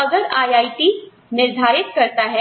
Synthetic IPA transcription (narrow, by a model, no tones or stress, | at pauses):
ɐɡəɾaːjaːiʈi | nɪɾd̪ʱaːɾɪt̪kɐɾt̪aɦɛ